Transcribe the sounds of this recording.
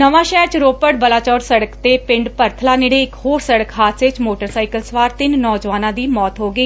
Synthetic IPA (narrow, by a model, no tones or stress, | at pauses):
nəʋãːʃɛːɾt͡ʃɾoːpəɽ̚bəlaːt͡ʃɔːɾsəɽəkt̪eːpɪ̃ɳɖpəɾt̪ʰəlaːnɪɽeːɪkhoːɾsəɽəkɦaːt̪sɪt͡ʃmoːʈəɾsaːiːkəlsʋaːɾt̪ɪnnɔːd͡ʒʋaːnãːd̪iːmɔːt̪ɦoːɡəiː